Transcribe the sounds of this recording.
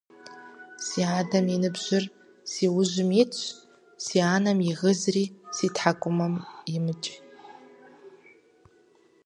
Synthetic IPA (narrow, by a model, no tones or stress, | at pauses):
siːaːdɐminɨbʒʷɪr | siwʊʒʷɪmit͡ɕʷʰ | siaːnɐmjiʁəzriːsitʰħakʷʼʊmɐmjimɨt͡ʃʼ